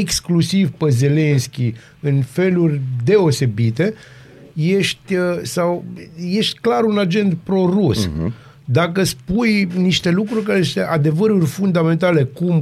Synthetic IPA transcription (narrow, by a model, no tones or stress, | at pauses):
eksklusivpəze̞le̞nskʲi | ɨnfe̞lurʲd̪e̞o̞se̞bit̪e̞ | je̞ʃt̪ʲəsawje̞ʃt̪ʲklaɾunad͡ʒe̞nd̪pɾo̞rus | d̪akəspujniʃt̪e̞lukɾurʲkaɾet̪eʔad̪e̞vəɾurʲfund̪ame̞nt̪ale̞kum